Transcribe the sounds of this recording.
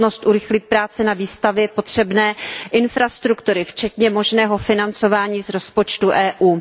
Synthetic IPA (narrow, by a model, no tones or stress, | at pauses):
no̞st̪ʔuɾɪxlɪt̪̚pɾaːt͡sɛnaviːst̪avjɛpo̞t̪r̝̥ɛbnɛːʔɪnfɾast̪ɾukt̪uɾɪft͡ʃɛt̪ɲɛmo̞ʒnɛːɦo̞fɪnant͡so̞vaːɲiːzɾo̞spot͡ʃt̪uʔɛːʔuː